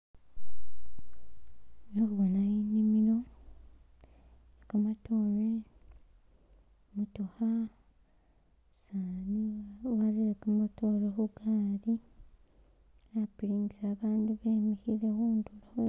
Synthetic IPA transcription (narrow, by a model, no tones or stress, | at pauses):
nokuβonajiɲimiɾo̞ | ekamatʰoːɾe | mutuha | saːniwaɾiɾekamatʰoɾehuɡaːɾi | apɾind͡ʒiɾaːβaːnduβeːmihiɾewuːndula